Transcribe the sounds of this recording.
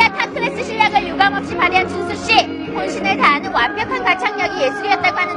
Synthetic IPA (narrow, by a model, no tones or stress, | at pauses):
atʰakʰɯɾes͈ɯɕʰiʎːaɡɯɭjuɡaŋʌp̚ɕ͈ipaɾiant͡ɕunsʰuɕ͈i | konɕʰineɭtaːnɯnwampjʌkʰankat͡ɕʰaŋɲʌɡije̞sʰuɾiʌt̚t͈aɡohanɯ